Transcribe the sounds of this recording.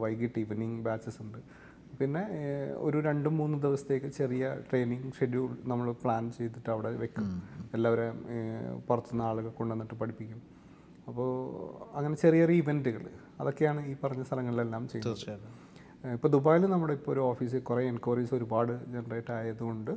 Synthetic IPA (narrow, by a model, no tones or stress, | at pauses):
ʋɐjkiʈːiʋniŋɡbaːt͡ɕːɐsuɳɖɨ | pinːe̞o̞̰ɾuɾe̞ɳɖɨmuːnːɨd̪iʋɐsɐ̥t̪ːe̞ːkːɨt͡ɕe̞rijɐʈre̞ːniŋɡʂeɽiuɭnɐmːɐɭpɭaːnt͡ɕe̞jt̪ːiʈːɐʋiɽe̞ʋe̞kːɐmelːaːʋoɾe | purɐt̪ːunːɐaːɭuɣɐɭko̞ɳɖenːiʈːɨpɐɽipːikʲːum | ɐpːoːɐŋːɐne̞t͡ɕerijɐɾiiʋendɨɣɐɭ | ɐðo̞kːe̞jaːɳɨiːpɐrɐɲːɐst̪ʰɐlɐŋːɐɭilelːaːmt͡ɕej̪ːɐð | ipːo̞ːd̪ubaːjilnɐmːuɽeipːooɾuo̞ːfiːs̬ɨkureenkːuriso̞ɾubaːɽɨd͡ʑe̞nɐreːʈːaːjɐðuɣo̞ɳɖɨ